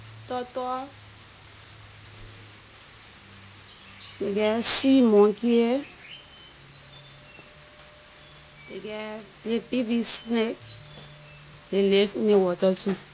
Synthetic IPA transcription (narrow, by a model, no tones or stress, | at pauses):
tɔtɔɔ | dekɛsimɔ̃kie | dekɛ | jepivisnek | lelefnewɔtɔtu